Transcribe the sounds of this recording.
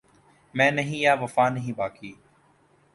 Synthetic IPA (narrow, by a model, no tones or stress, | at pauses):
mɛ̃ːnəɦĩːjaːʋəfaːnəɦĩːbaːkiː